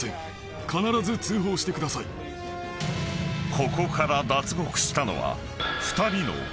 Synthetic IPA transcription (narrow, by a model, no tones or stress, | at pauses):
ḛ̃ | kanaɾazɨt͡sɨːɦo̞ːɕi̥t̪e̞kɯ̟d̪asaḭ | kʰo̞ko̞kaɾad̪at͡sɨɡo̞kɯ̟̥ɕi̥t̪ano̞̰βa̰ | ɸɯ̥t̪aɾʲino̞̰